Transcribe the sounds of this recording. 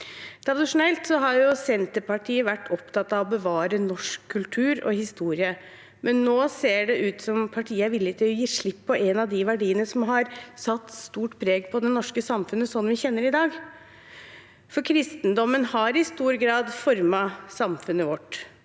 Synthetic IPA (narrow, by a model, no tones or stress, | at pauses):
t̪ʰɾɑd̪ɪʂʊnɛlt̪sɔɦɑɾjʊsɛnt̪əɾpʰɑʈʰiːəʋæʈːʰɔpt̪ɑt̪ːɑʋɔbəʋɑːɾənɔʂkʰːʉlt̪ʰʉːɾɔ̰ɦɪst̪uːɾɪə | mʔɛnːoːseːɖɛʔʉːt̪sɔmpʰɑʈʰiːəæɾʋɪlːɪt̪ʰɪlɔjiːʂɭɪpːɔʔɛnɑd̪ɪʋæɖiːənəsɔmɦɑɾsɑt̪ːst̪uːʈpʰɾeːɡpʰɔd̪ɛnɔʂkəsɑmfʉnːəsɔnːʋɪçɛnːəɾɪd̪ɑːɡ | fɔɾkʰɾɪst̪ənd̪ɔmːənhɑɾɪst̪uːɾɡɾɑːd̪fɔɾmɑsɑmfʉnːəʋɔʈː